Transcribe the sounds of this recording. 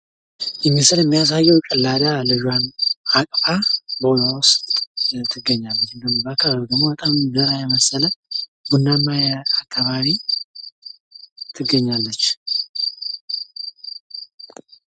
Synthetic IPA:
jɛmːisɨljɛmːijas̬ajːɛwkʼəlːad̪alɨʒwanakʼfʼabəlawɔst̪t̪ʰɨɡəɲːalːət͡ʃːɨnd̪əmːbəakʰːaβaβd̪əmobət̪ʼamzəɾajɛməsːələbunːamːajakʰːaβaβi | t̪ʰɨɡːəɲːalːət͡ʃː

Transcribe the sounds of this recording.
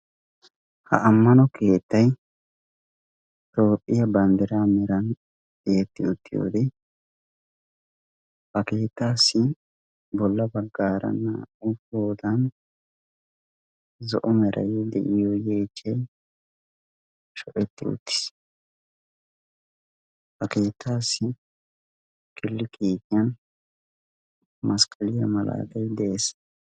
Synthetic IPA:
hɐ̰ʔɐmːɐnɔkʰe̞ːt̪ːɐj | t̪o̞ːpʼːɪjɐbɐnd̪ɛɾaːmɛɾɐn | eːt̪ːɪʊt̪ːɪjo̰ːd̪ɛ | bɐke̞ːt̪ːaːsːɪ | bɔlːɐbɐɡːaːɾɐ̰nːɐ̰ʊfo̞ːd̪ɐn | zɔʔɔmɛɾʔɐ̰jd̪ɛʔɪjɔjeːt͡ʃːɛj | ʃɔʔɛt̪ːɪʊ̰t̪ːɪ̥s | hɐke̞ːt̪ʰːaːsːɪ | kɪlːɪkiːkɪjɐn | mɐskʼɐlɪjɐmɐla̰ːɡ̪ɐjd̪ɛeːs

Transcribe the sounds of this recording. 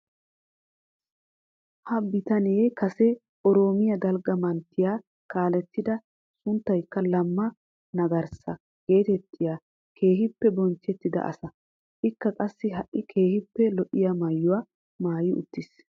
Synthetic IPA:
hɐbɪt̪ɐneːkɐsɛ | ʔɔɾo̞ːmɪjɐd̪ɐlɡɐmɐnt̪ːɪjaː | kaːlɛt̪ːɪd̪ɐ | sʊnt̪ːɐjkːɐlɐmːɐ | nɐɡɐɾsɐ | ɡ̥e̞ːt̪ɛt̪ʰːɪjaː | kʰe̞ːɦɪpːɛbɔnt͡ʃːɛt̪ːɪd̪ɐ̰ʔɐ̰sɐ | ʔɪkːɐkʼɐsːɪɦɐʔːɪkʰe̞ːhɪpːɛlɔʔɪjamɐjːʊwaː | maːjɪʊ̰t̪ːɪs

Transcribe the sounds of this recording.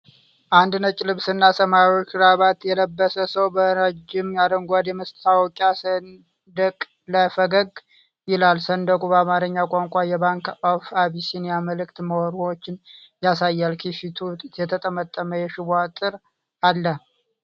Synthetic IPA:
ʔand̪nət͡ʃʼlɨβsɨnːasəmaɾio̞t͡ʃːɾaβat̪jɛləbːəsəsəwbəɾəd͡ʒːɪmjad̪əŋɡʷad̪jɛməst̪awɔkʼasən | d̪əkʼ | ləfəɡəɡ | jɪlalsənd̪əkʼubəamaɾɨɲːakʼaŋkʷʼajɛβaŋkofaβisinjaməlɨkt̪məwɔɾuwot͡ʃːɪnjasajːalkʰifit̪ʰujɛt̪ʰət̪ʼəmət̪ʼːəməjɛʃɪβat̪ʼɨɾ | alːə

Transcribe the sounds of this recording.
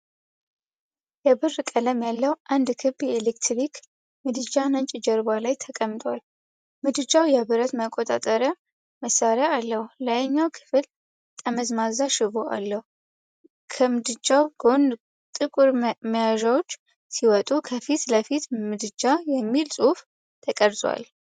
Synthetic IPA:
jɛbɨrːkʼələmjalːəwʔand̪kʰɨbjɛelekt̪ɾik | mɨd̪ɨd͡ʒanəɲt͡ʃʼɪd͡ʒəɾbalajt̪ʰəkʼəmːt̪ʼwal | mɨd̪ɨd͡ʒawjɛβɨɾət̪məkʼot̪ʼa̰t̪ʼəɾə | məsːaɾjaalːəhuləjəɲːawkʰɨ̥fɨl | t̪ʼəməzmazaʃɪβoʔa̰lːəhu | kʰəmɨd̪ɨd͡ʒawɡon | t̪ʼɨkʼuɾməjaʒawot͡ʃː | siwɔt̪ʼukʰəfit̪ləfit̪mɨd̪ɨd͡ʒajɛmːilsʼuf | t̪ʰəkʼəɾzʼwa̰l

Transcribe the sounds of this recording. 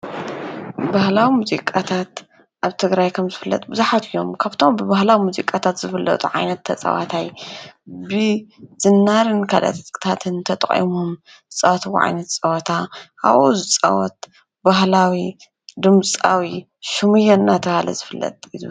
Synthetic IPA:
bahlawimuzḭkʼat̪ʰat̪ | ʔaβt̪ʰɨɡɾajkʰɐmzɨfɨlːɐ̰t̪ʼbɨzuħat̪ʰɨjo̞mkʰaβt̪ʰo̞mbɨbahlawimuzḭkʼat̪ʰat̪zɨfɨlːɐ̰t̪ʼuʕa̰jnɐt̪ʰːɐt͡sʼɐ̰wa̰t̪ʰaj | bɨz̥ɨnːaɾɨnkʰalɐ̰t̪ʼt̪ʰat̪ʰɨnt̪ʰɐt̪ʼɐχʼḭmum | zɨt͡sʼɐwɐt̪ʰwṵʕa̰jnɐt̪t͡sʼɐwɔt̪ʰaha̰βʔuzɨt͡sʼɐ̰wɔt̪̚ | baɦlawi | d̪ɨmt͡sʼawi | ʃɨmɨjɛnːat̪ʰɐhalɐ̰zɨfɨlːɐ̰t̪ʼilu

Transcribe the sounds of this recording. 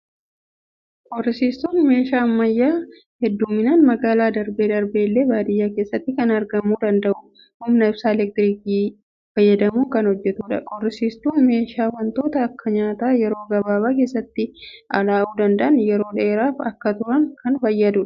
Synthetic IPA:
kʼɔrɪsiːst̪uːnme̞ːʃaːmːɐjːaː | hɛd̪ːuːmɪnaːnmɐɡaːlaːd̪ɐɾbeːd̪ɐɾbe̞ːlːe̞ːbaːd̪ɪjːaːkeːsːɐt̪ːɪkɐnɐɾɡɐmuːd̪ɐnd̪ɐʔʊ̥ | hʊmnɐɪb̥saːɛlɛk̚t̪ɪɾiːkiː | fɐjːɐd̪ɐmuːkɐnhɔd͡ʒːɛt̪uːᶑɐkʼɔrːɪsiːst̪uːnme̞ːʃaːwɐnt̪o̞ːt̪ɐːkːɐɲaːt̪aːjɛɾo̞ːɡɐbaːbaːke̞ːsːɐt̪ːɪʔɐlaːʔuːd̪ɐnd̪ɐʔɐnjɛɾo̞ːᶑeːɾaːfɐkːɐt̪ʊɾɐŋkʰɐnfɐjːɐd̪uːᶑɐ̥

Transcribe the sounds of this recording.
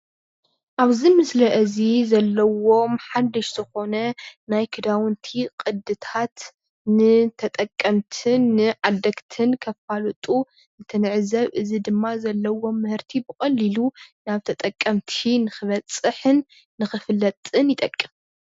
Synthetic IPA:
ʔaβzimɨslɐʔɨzizɐlːɐwo̞mħad̪ɨʃz̥ɨxo̞nɐnajkʰɨd̪awɨnt̪ʰikʼɨd̪ɨt̪ʰat̪ | nɨt̪ʰɐt̪ʼɐkʼːɐmt̪ʰɨnːɨʕad̪ɐkt̪ʰɨnkʰɐfalut̪ʼu | nɨt̪ʰɐnɨʕzɐβʔɨzid̪ɨmːazɐlːɐwo̞mːɨhɨɾt̪ʰibɨkʼɐlːilunaβt̪ʰɐt̪ʼɐkʼːɐmt̪ʰinɨxɨβɐt͡sʼɨħɨnː | ɨxɨfɨlːɐt̪ʼɨnjɪt̪ʼɐkʼːɨm

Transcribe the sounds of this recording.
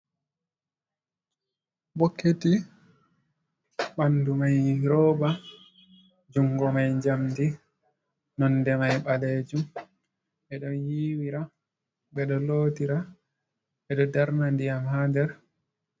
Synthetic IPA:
bokʰːeti | ɓandumajɾɔːba | d͡ʒuŋɡɔmajɲd͡ʒamdi | nɔndɛmajɓaled͡ʒum | ɓɛɗɔnjiwiɾa | ɓɛɗɔloːtiɾa | ɓɛɗɔdaɾnandiamhadɛɾ

